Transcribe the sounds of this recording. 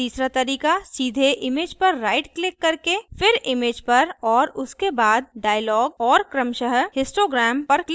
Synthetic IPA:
iːsɾat̪ɐɾiːkasiːd̪ʱeʔɪmeːd͡ʒpɐɾːaːɪʈklɪkːɐɾkefɪɾɪmeːd͡ʒpɐɾɔːɾʊskebaːd̪̚ɖaːjlɔːɡ̚ɔːɾkɾəmʃəɦəɦɪsʈoːɡɾɛːmpɐɾkl

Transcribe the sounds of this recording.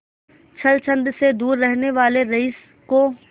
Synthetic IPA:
t͡ʃʰɐlt͡ʃʰə̃nd̪sed̪uːɾːɛɦneʋaːleɾɐɪs | ko

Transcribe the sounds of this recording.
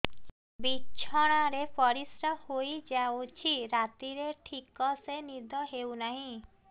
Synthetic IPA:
bit͡ʃʰɔɽ̃aɾepɔɾisɾɔhojd͡ʒaot͡ʃʰiɾat̪iɾeʈʰikɔsenid̪ʱɔɦewnaɦĩ

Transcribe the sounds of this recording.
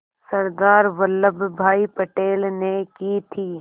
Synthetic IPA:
sɐɾd̪aːɾʋəlːəbʱbʱaːipɐʈeːlnekit̪ʰiː

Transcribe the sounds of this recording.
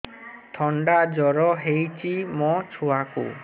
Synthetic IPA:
t̪ʰɔɳɖad͡ʒɔɾɔɦejt͡ʃʰimɔt͡ʃʰuakṵ

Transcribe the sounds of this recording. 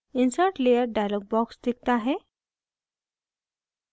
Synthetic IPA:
insaʈlejəɾɖajlɔɡ̚bɔksd̪ik̚t̪aɦɛ

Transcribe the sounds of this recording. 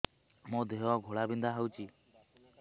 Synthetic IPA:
mõd̪eɔɡʱoɭabind̪ʱaɦəwt͡ʃʰi

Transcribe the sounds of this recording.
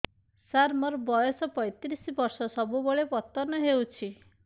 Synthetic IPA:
saɾmɔɾbɔjɔsɔpɔjt̪iɾisibɔɾsɔsɔbuboɭepɔt̪ɔnɔɦewt͡ʃʰi

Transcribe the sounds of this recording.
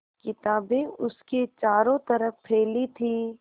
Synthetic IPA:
kɪt̪aːbẽʊsket͡ʃaːɾõt̪ɐɾəfpʰeːlit̪ʰiː

